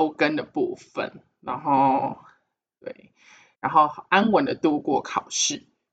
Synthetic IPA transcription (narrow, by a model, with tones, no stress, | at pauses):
ʊkə˦nd̪ə˨pu˥˩fə̰˨˩n | na˧˥nxo˥˩ʊ | t̪wḛ˥˩ɪ | ɻa˧˥nxo˥˩ʊʔa˥nwə˨˩nd̪ə˨t̪u˥˧kwɔ˥˩kʰɑ˨˩ʊʂɻ̩˥˩